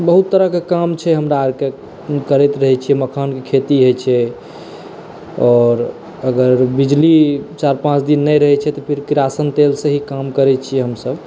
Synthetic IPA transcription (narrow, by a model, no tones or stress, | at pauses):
bəɦut̪ːəɾəɦkekamt͡ʃʰɛɦəmɾaːɾke | kəɾɛt̪ɾəɦɛt͡ʃʰiɛməkʰənkekʰet̪iɦojt͡ʃʰɛ | ɔɾ | əɡəɾbid͡ʒlit͡ʃaɾpãt͡ʃd̪inːəjɾəɦɛt͡ʃʰɛt̪ɔpʰiɾkɾasənt̪elsẽɦikamkəɾɛt͡ʃʰijɛɦəmsəb